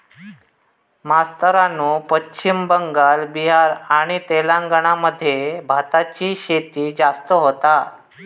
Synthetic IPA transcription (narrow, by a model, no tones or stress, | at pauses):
mast̪əɾanuːpət͡ɕt͡ɕimbəŋɡalbiɦaɾaɽ̃it̪elãŋɡəɳaməd̪ʱːjebʱat̪at͡ɕiːɕet̪iːd͡ʑast̪əɦot̪a